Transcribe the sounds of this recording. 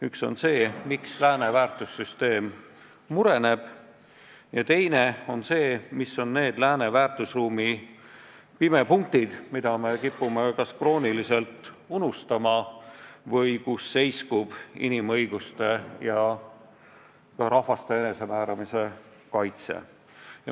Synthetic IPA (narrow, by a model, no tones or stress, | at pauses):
ykso̞̰nse̞ːmikslæːne̞væːrt̪ˑusːyst̪e̞ːmː | uɾe̞ne̞b̥ | jɑt̪e̞jne̞o̞nse̞ːmisːo̞nːe̞ːd̪læːne̞væːrt̪ˑusruːmi | pime̞puŋk̚t̪id̪̥mid̪̥ɑme̞kipːˑume̞kɑskro̞ːnilise̞lt̪ːˑ | unust̪ɑmɑ | vɤjkusːe̞jskub̥ḭnimɤ̞jɡ̥ust̪e̞jɑ | kɑɾʔɑhvɑst̪e̞ene̞se̞mæːɾɑmise̞ | kɑjt̪sḛ | jɑ